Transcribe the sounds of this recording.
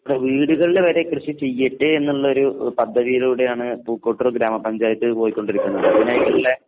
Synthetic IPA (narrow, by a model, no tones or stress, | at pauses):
ɐʋɽeʋiːɽuɣɐɭileʋɐɾe̞krɨɕit͡ɕe̞jːiʈːɨenːuɭːɐo̞ɾupɐd̪ʱːɐðijɐluːɽe̞jaːɳɨpuːkːo̞ːʈːɐrɡɾaːmɐpɐɲd͡ʑaːjɐt̪ːɨpo̞ːjikʲːoɳɖiɾikʲːunːɐðɨɐðinaːjikːɐɭile